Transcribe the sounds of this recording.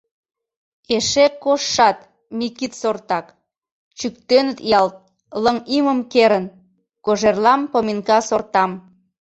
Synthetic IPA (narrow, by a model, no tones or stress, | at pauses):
eʃekoʃːɑt̪ | mikit̪sort̪ɑk | t͡ɕykt̪ønət̪jɑlt̪̚ | ləŋiməmkeɾən | koʒerlɑmpominkɑsort̪ɑm